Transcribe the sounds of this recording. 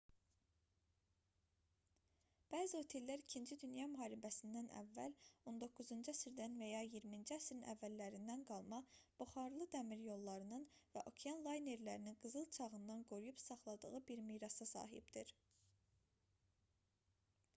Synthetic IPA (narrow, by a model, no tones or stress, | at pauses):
b̥æːzio̞t̪ʰe̞lːæɾicʰind͡ʒid̪ynjɑmyɦɑːɾibæsind̪ænæ̰vːæ̰lo̞nd̪o̞kʰːuzɯnd͡ʒæsiɾd̪ænvæjɑjiɾmind͡ʒiæsɾinʔæ̰vːælːæɾind̪ænɡɑlˠmɑb̥uχɑɾlˠɯd̪æmiɾjo̞lˠːɑɾɯnɯnvæʔo̞kʰeɑnlˠɑjne̞ɾlæɾininɡɯzɯlˠt͡ʃʰɑɣɯnd̪ɑnɡo̞ɾujupsɑχlˠɑd̪ɯɣɯbiɾmiːɾɑsɑsɑ̰ːɦḭbd̪iɾ